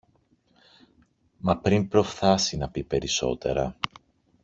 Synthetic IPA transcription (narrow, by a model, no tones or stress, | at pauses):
mɐpɾimpɾo̞fθɐsinɐpipe̞ɾiso̞̰t̪e̞̰ɾɐ̰